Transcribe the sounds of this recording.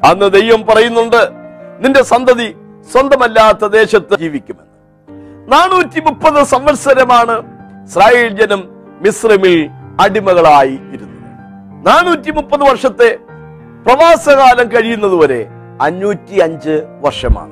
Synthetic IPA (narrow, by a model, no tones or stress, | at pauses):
ɐnːɨd̪e̞jʋɐmpɐrɐjunːuɳɖɨninde̞sɐnd̪ʱɐði | swɐnd̪ɐmɐlːaːt̪ːɐd̪e̞ːɕɐt̪ːɨd͡ʑiːʋikʲːumenːɨ | naːɳːuːtːimupːɐðɨsɐmʋɐɾsɐɾɐmaːɳɨisraːjeːld͡ʑɐnumːisrimilɐɽimɐɣɐɭaːjiːɾunːu | naːɳuːtːimupːɐðɨʋɐrʂɐt̪ːe̞ | prɐʋaːsɐɣaːlɐmkɐɻijunːɐðuʋoːɾe̞̰ | ɐɲːuːtːiɐɲd͡ʑɨʋɐrʂɐma̰ːɳɨ